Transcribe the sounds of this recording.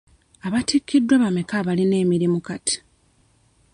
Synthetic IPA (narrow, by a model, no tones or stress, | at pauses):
aβatikʰːidːwaβame̞kaβaline̞ːmiɾimukati̥